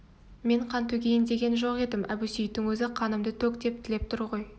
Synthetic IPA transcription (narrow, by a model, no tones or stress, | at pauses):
me̞ɴqʰɑnt̪ʰɵɡʲe̞jɪnd̪e̞ɡʲe̞nʒo̞qe̞d̪ɪmʔæbusijɪt̪ːɪŋwɵzɪqʰɑnəmd̪ət̪ʰɵkd̪e̞p̚t̪ʰɪle̞p̚t̪ʰʊɾʁo̞j